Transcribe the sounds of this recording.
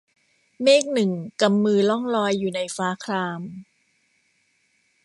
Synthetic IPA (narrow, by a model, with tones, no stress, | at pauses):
meː˥˩k̚nɯ˨˩ŋka˧˩mːɯː˧lɔ˥˩ŋlɔː˧jːuː˨˩na˧jfaː˦˥kʰlaː˧m